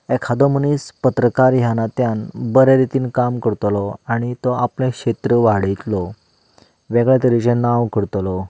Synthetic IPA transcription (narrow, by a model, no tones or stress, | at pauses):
ɛkʰad̪omənispət̪ɾəkaɾjanat̪janbəɾeɾit̪iːnkamkəɾt̪lɔaɽ̃it̪ɔaplẽkɕet̪ɾəʋaɽit̪lɔ | ʋɛɡɭɛt̪əɾit͡ɕẽnaʋkəɽt̪lɔ